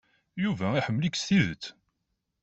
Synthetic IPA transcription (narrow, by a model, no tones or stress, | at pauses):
juvæiħəmːliksθiðət͡s̪ː